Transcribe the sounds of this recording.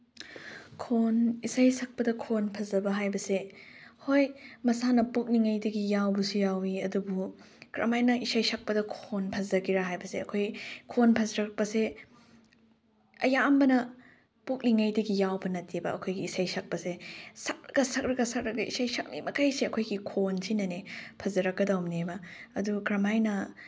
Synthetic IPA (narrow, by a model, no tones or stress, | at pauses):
kʰonisajsɐk̚pɐdɐkʰonpʰɐzɐbɐɦajbɐsehojmɐsanɐpok̚niŋajdɐɡijawbɐsujawiɐdubu | kɾʔɐ̰majnɐisajsɐk̚pɐdɐkʰonpʰɐzɐɡiɾaɦajbɐseɐkʰojkʰonpʰɐzɐɾɐk̚pɐse | ɐjambɐnɐ | pok̚niŋajdɐɡijawbɐnɐtibɐɐkʰojɡiːsajsak̚pɐsesɐk̚ɾɐɡɐsɐk̚ɾɐɡɐsɐk̚ɾɐk̚ɡɐʔḭsajsak̚nḭmɐkajseɐkʰojɡikʰonsʰinɐnepʰɐzɐɾɐk̚ɡɐdawmnebɐɐdukɾɐmajnɐ